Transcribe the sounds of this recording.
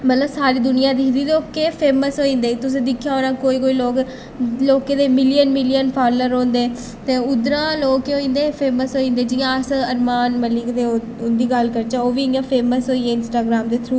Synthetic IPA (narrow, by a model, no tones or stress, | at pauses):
mət̪ləbsaːɾiːd̪ʊnɪjãːd̪ɪd̪iːd̪oːkːepʰeːməsɦoːĩːnd̪eːt̪ʊs̬ẽːd̪ɪkʰːjaːɦoːɾãːkoːiːkoːiːloːk | loːkeːd̪eːmɪlijənmɪlijənpʰaːləɾɦõːnd̪eː | t̪eːʊd̪ɾãːloːkoːĩːnd̪eːpʰeːməsɦoːĩːnd̪eːd͡ʒɪjãsəəɾmaːnməlɪkd̪eː | ʊnd̪iːɡəlkəɾt͡ʃãoːʋiːãːpʰeːməsɦoːiːeːɪnsʈaːɡɾaːmd̪eːt̪ʰɾuː